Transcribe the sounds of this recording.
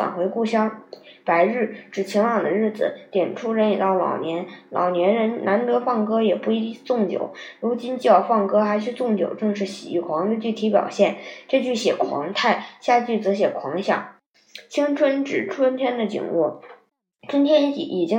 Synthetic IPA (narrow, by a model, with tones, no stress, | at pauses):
a̰˨˩nxwe˧˥ɪku˥˩ɕjɑ˥ŋpa˧˥ɪɻɻ̩˥˩ʈ͡ʂɻ̩˨˩t͡ɕʰi˧˥ŋwɑ˨˩ŋd̪ə˦ɻɻ̩˥˩d͡zɹ̩̰˩t̪jɛ˨˩nʈ͡ʂʰu˥ɻə˧˥ni˨˩t̪ɑ˥˩ʊlɑ̰˨˩ʊnjɛ˧˥nlɑ̰˨˩ʊnjɛ˧˥nɻə˧˥nnʔa˧˥nt̪ɤ˧˥fɑ˥˩ŋkɤ˥jɛ˨˩pu˥˩i˧˥˧t͡sʊ˥˩ŋt͡ɕjo̰˨˩˦ʊɻu˧˥t͡ɕi˥nt͡ɕi˥˧jɑ˥˧ʊfɑ˥˩ŋkɤ˥xa˧˥ɪʂɻ̩˥˧t͡sʊ˥˩ŋt͡ɕjo̰˨˩ʊʈ͡ʂɤ˥˧ŋʂɻ̩˥˩ɕḭ˨˩ḭ˥˩kʰwɑ˧˥ŋd̪ə˧t͡ɕy˥˩t̪ʰi˧˥pjɑ̰˨˩ʊɕjɛ˥˩nʈ͡ʂɤ˥˧t͡ɕy˥˩ɕjɛ˨˩kʰwɑ̰˧˥ŋt̪ʰa˥˩ɪɕja˥˧t͡ɕy˥˩t͡sɤ˧˥ɕ̬jɛ˨˩kʰwɑ˧˥ŋɕjɑ̰˥˩ŋ | t͡ɕʰi˥ŋʈ͡ʂʰwə˥nʈ͡ʂɻ̩˨˩ʈ͡ʂʰwə˥nt̪ʰjɛ˥nd̪ə˨t͡ɕḭ˨˩ŋwɔ˥˩ | t͡ɕʰi˥ŋt̪ʰjɛ˥n˥t͡ɕḭ˨˩ʔi˨˩t͡ɕi˥